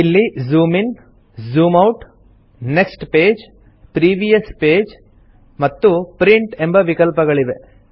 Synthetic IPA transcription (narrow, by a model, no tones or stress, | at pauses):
ilːizuːmin | zuːmɐwʈ | ne̞ksʈpeːd͡ʒ | pɾiːʋijɐspeːd͡ʒ | mɐt̪ːupɾiɳʈe̞mbɐʋikɐlpɐɡɐɭiʋe̞